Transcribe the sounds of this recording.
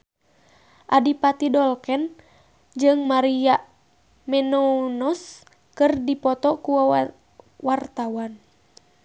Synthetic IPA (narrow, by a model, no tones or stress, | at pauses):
ʔadipat̪idɔlkɛn | d͡ʒɨŋmaɾijaʔ | mɛnɔunɔs | kɨrdipɔt̪ɔkuwa | wart̪awan